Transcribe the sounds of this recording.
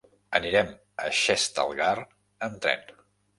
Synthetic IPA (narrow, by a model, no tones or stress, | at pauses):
əniɾɛm | ə̰ʃɛst̪ə̰lˠɣar | ənt̪ɾɛ̰n